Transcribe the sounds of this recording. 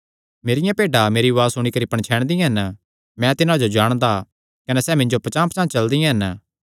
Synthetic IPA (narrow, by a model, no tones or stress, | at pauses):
meːɾɪjãpeːɖameːɾiʋaːsʊɽ̃ikɐɾipɐɽ̃t͡ʃʰɛːɽ̃d̪ijãɦɐn | mɛ̃t̪ɪnãd͡ʒod͡ʒaːɽ̃d̪a | kɐnɛsɛːmɪ̃ɲd͡ʒopɐt͡ʃãːpt͡ʃãːt͡ʃɐld̪ijãɦɐn